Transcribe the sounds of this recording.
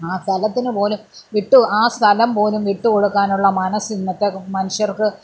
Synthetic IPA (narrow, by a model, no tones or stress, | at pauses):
aːst̪ʰɐlɐt̪ːinɨpo̞ːlumʋiʈːuaːst̪ʰɐlɐmpo̞ːlumʋiʈːuko̞ɽukːaːnuɭːɐmɐnɐsinːɐt̪ːemɐnuʂjɐrkɨ